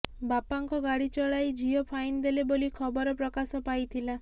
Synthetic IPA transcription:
bapaŋkɔɡaɽit͡ʃɔɭajd͡ʒiɔpʰajnd̪elebolikʰɔbɔɾɔpɾɔkasɔpajt̪ʰila

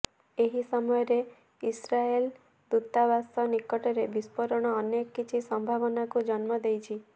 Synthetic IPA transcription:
eɦisɔmɔjɔɾe | isɾael | d̪ut̪ːabasɔnikɔʈɔɾebispɔɾɔɽ̃ɔːnjekːit͡ʃʰisɔmbʱabɔnakud͡ʒɔnmɔd̪ejt͡ʃʰi

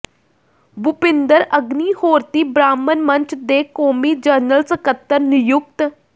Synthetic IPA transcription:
bʊpɪnd̪əɾəɡniːhoːɾt̪iːbɾaːmənməɲt͡ʃʰd̪eːkoːmiːd͡ʒəɾnəlsəkət̪ːəɾnʊjʊk̚t̪

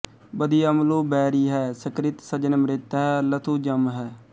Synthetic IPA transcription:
bəd̪iːəmloːbɛːɾiːɦɛːsəkɾɪt̪səd͡ʒənmɾɪt̪ɦɛːlət̪ʰuːd͡ʒəmɦɛː

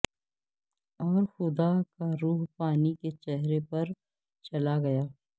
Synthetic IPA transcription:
ɔːɾxʊd̪akaɾuːɦpaːniket͡ʃɛɦɾepɐɾ | t͡ʃɐlaɡɐjaː

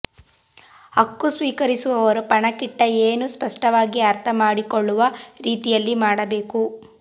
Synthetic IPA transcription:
ɐkːusʋiːkɐɾisuʋɐʋɐɾupɐɳɐkiʈːɐeːnuspɐʂʈɐʋaːɡiɐɾt̪ʰɐmaːɽikoɭːuʋɐɾiːt̪ijɐlːimaːɽɐbe̞ːku

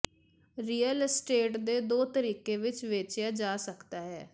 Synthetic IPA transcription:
ɾiːəlsʈeːʈd̪eːd̪oːt̪əɾiːkeːʋɪt͡ʃʋeːt͡ʃɪjaːd͡ʒaːsəkt̪aːɦɛː

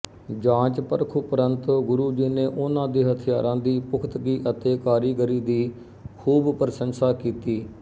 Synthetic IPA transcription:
d͡ʒãːt͡ʃpəɾkʰuːpəɾənt̪ɡʊɾuːd͡ʒiːneːʔʊnãːd̪eːɦət̪ʰɪjaːɾãːd̪iːpʊkʰt̪ɡiːʔət̪eːkaːɾiːɡəɾiːd̪iː | kʰuːbpəɾəsənsaːkiːt̪iː

